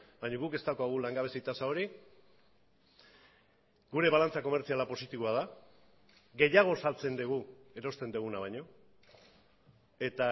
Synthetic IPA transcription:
baɲoɣuke̞st̪akoaɣ̞ulaŋɡaβ̞e̞sit̪asao̞ɾi | ɡuɾe̞βalant͡sako̞me̞ɾt͡sialapo̞sit̪iβoað̞a | ɣe̞jaɣ̞o̞salt͡se̞nd̪eɣ̞ue̞ɾo̞st̪e̞nd̪eɣunaβ̞ajɲo̞ | e̞t̪a

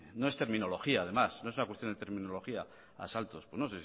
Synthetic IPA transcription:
no̞e̞st̪e̞ɾmĩno̞lo̞xiaːð̞e̞masno̞esunakwest̪jonet̪eɾmĩnolo̞xia | a̰salt̪o̞spwe̞zno̞ses

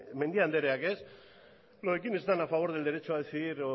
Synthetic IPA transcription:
me̞nd̪iand̪eɾeake̞s | loðekine̞st̪anafaβ̞o̞ɾðe̞ld̪e̞ɾe̞t͡ʃoaðeθiðiɾ

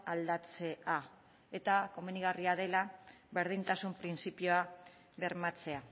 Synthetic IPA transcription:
ald̪at͡se̞a | e̞t̪ako̞meniɣ̞ariaðe̞laβe̞ɾð̞int̪asumpɾinsipio̞a | βe̞ɾmat͡se̞a

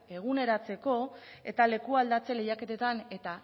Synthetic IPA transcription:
e̞ɣ̞une̞ɾat͡se̞ko̞e̞̰t̪ale̞kuald̪at͡se̞le̞jake̞t̪e̞t̪ane̞t̪a

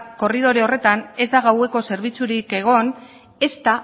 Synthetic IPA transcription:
ko̞riðo̞ɾeo̞re̞t̪ane̞zd̪aɣ̞awe̞ko̞se̞ɾβ̞it͡suɾike̞ɣ̞o̞n | e̞st̪a

